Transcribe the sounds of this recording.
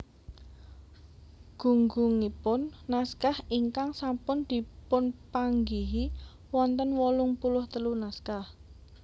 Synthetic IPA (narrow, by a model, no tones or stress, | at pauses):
ɡ̥ṳŋɡuŋipʊnːaskahiŋkaŋsampʊnd̪̥i̤pʊnpaŋɡiɦi | wɔnt̪ənwɔlʊŋpulʊht̪əlunaskah